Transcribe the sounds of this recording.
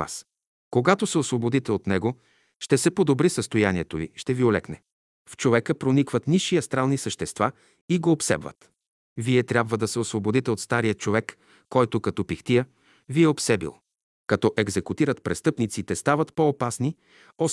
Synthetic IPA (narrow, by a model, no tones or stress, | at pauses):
a̰s | koɡat̪osɛosvobod̪it̪ɛot̪nɛɡo | ʃt̪ɛsɛpod̪obɾisəst̪ojanʲiɛt̪ovḭʃt̪ɛviolɛ̰knɛ | ft͡ʃovɛkəpɾonikvət̪niʃiɐst̪ɾalˠnisəʃt̪ɛst̪va | iɡoːpsɛ̰bvə̰t̪ | viɛt̪ɾʲabvəd̪ɐsɛosvobod̪it̪ɛot̪st̪aɾijət͡ʃovɛkː | ɔjt̪okɐt̪ɔpixt̪ijə | viɛopsɛbḭlˠ | kɐt̪ɔʔɛɡzɛkut̪iɾət̪pɾɛst̪ɤpnit̪sit̪ɛst̪avət̪poːpasni | ɔ